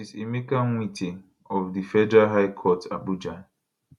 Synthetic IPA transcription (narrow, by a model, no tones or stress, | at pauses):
izemekanŋiti | ɔfdifɛdɾaɦajkʰɔtʰa̰bud͡ʒãn